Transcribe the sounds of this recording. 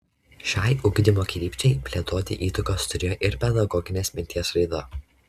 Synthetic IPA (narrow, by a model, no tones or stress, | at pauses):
ʃʲɑˑɪʔʊɡd̪ʲɪmoːkʲɪɾʲiːpʲt͡ʃʲɛɪpʲlʲiɛt̪oːt̪ʲɪ̰ʔiːt̪ʊkost̪ʊɾʲeːjoːʔɪɾpʲɛd̪ɐɡɔːɡʲɪnʲeːsmʲɪnʲt̪ʲiɛsɾɐɪd̪ɐ